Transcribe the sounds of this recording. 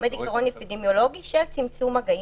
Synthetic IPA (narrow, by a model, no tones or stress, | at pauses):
med̪ikaʁonepid̪emjo̞lo̞ɡiʃelt͡simt͡sumaɡai